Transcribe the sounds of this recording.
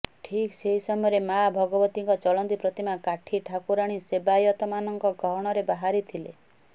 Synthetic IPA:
ʈʰikseɦisɔmɔjɔɾemabʱɔɡɔbɔt̪iŋkɔt͡ʃɔlɔnt̪ipɾɔt̪imakaʈʰiʈʰakuɾaɽ̃isebajɔt̪ɔmanɔŋkɔɡɔɦɽ̃ɔɾebaɦaɾit̪ʰile

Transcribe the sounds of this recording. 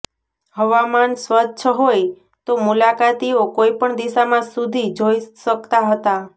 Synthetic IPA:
həʋamansʋəd̪t͡ʃʰəɦoj | t̪omulakat̪iokoipəɳd̪iʃamãsud̪ʱid͡ʒojsəkt̪aɦət̪a

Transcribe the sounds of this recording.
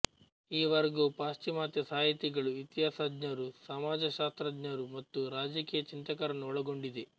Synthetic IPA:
iːʋɐɾɡupaːst͡ʃimaːt̪jɐsaːjit̪iɡɐɭuit̪jaːsadɲɐɾusɐmaːd͡ʒɐʃaːst̪ɾɐd̪ɲɐɾumɐt̪ːuɾaːd͡ʒɐkiːjɐt͡ʃint̪ɐkɐɾɐnuɔɭɐɡo̞ɳɖid̪e

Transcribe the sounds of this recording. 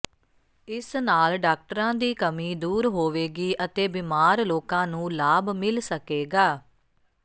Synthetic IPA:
ɪsnaːlɖaːk̚ʈəɾãːd̪iːkəmiːd̪uːɾɦoːʋeːɡiːʔət̪eːbimaːɾloːkãːnũːlaːbmɪlsəkeːɡaː

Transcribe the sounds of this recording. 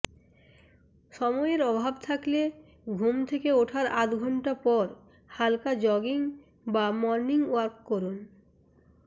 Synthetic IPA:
ʃɔmɔeɾɔbʱabt̪ʰakle | ɡʱumt̪ʰekeoʈʰaɾat̪ɡʱɔɳʈapɔɾ | halkad͡ʑɔɡiŋ | bamɔɾniŋwaɾkːoɾun

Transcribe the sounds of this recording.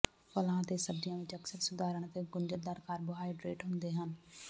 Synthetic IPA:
pəlãːt̪eːsəbdɪjãːʋɪt͡ʃəksəɾsʊd̪ʱaːɾəɳ̃ət̪eːɡʊnd͡ʒəɾd̪əɾkaːɾbʊɦaːiɖɾeːʈɦʊ̃nd̪eːɦən

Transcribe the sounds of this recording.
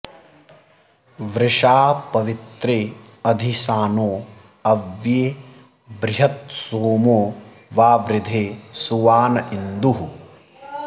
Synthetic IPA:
ʋɾɪʂaːpɐʋit̪ɾeː | ɐd̪ʱisaːnoː | ɐʋjeː | bɾɪɦɐt̪̚soːmoː | ʋaːʋɾɪd̪ʱeːsuʋaːnɐind̪uɦu

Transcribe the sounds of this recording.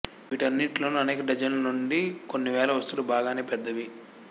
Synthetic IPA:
ʋiːʈɐnːiʈlo̞ːnuɐnɛːkɐɖɐd͡ʒɐnlɐnuɳɖikonːiʋɛːlɐʋɐst̪ulubaːɡaːne̞ːpɛd̪ːɐʋi

